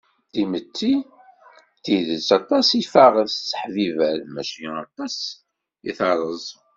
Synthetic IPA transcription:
t̪imət̪ːi | t̪iðəsɑt̪ˤɑsifaʁəst͡sːə̥ħvivæɾmæʃiɑ̰t̪ˤɑs | ḭθɑɾˤəzˤ

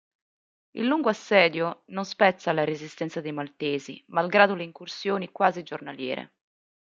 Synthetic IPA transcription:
ḭlːuŋɡoasːɛːd̪jononspɛt̪sːalaɾezist̪ɛnt̪sad̪ejmalt̪eːzimalɡɾaːd̪oleiŋkursjoːnikwaːzid͡ʒornaljɛːɾḛ

